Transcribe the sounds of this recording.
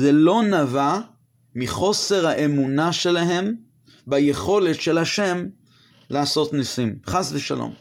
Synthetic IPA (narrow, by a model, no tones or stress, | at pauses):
zelo̞nava | miχo̞se̞ʁhaʔe̞munaʃe̞laɦe̞m | bajeχo̞le̞tʃe̞lhaʃe̞m | laaso̞t̪nisimχasveʃa̰lo̰m